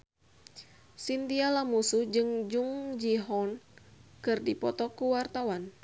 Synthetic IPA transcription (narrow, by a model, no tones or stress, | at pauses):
sint̪ialamusud͡ʒɨŋd͡ʒuŋd͡ʒiɦɔnkɨrdipɔt̪ɔkuwart̪awan